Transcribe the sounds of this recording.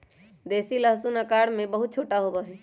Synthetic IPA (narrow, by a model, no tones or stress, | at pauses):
d̪eːsiləɦsunəkaːɾmẽbəɦʊt̪̚t͡ʃʰoːʈaɦobəɦɛ